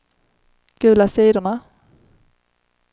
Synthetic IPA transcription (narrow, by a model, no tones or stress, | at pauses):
ɡ̥ʉ̟ːlasiːd̪əɳa